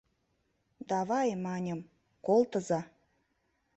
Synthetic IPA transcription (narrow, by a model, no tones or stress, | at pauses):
d̪ɑβɑjmɑnʲəm | kolt̪əzɑ